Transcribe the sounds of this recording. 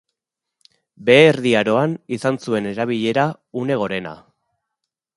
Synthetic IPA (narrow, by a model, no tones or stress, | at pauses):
be̞ːɾðiaɾo̞anisansue̞ne̞ɾaβ̞iʎe̞ɾa | une̞ɣ̞o̞ɾe̞na̰